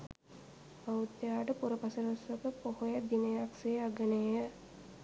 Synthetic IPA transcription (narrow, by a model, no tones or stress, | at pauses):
ɐut̪ːjaːʈəpuɾɐpɐsɐɾosʋɐkəpohojɐd̪inejakseaɡɐnejə